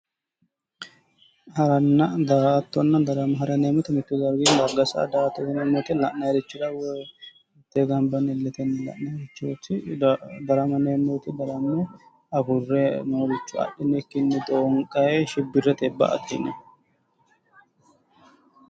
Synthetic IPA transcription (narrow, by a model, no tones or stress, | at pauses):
hɐɾɐnːɐd̪aːt̪ːɔnːɐd̪ɐɾɐmɐɦɐɾɐnemɔt̪ɛmɪt̪ːʊd̪ɐɾɡind̪ɐɡɐsɐ̰d̪aːt̪ːɔt̪ɐnemːɔt̪ɛlɐʔnɐɾɪt͡ʃːɪd̪ɐwɔ | t̪ːɛɡɐmbɐnːɛlːɛt̪ɛnːɐlɐ̰ʔnɐɾɪt͡ʃːot̪ɪd̪ɐɾɐmɐnemːot̪ɪd̪ɐɾɐmːo | ɐɡʊrːɛnɐɾɪt͡ʃːʊɐ̰ɗːɪnɛkːɪnːɛd̪oŋkʼɐjɛʃɪbːɪrːɛt̪ɛbːɐ̰ɐ̰t̪ːɪ̰nɛ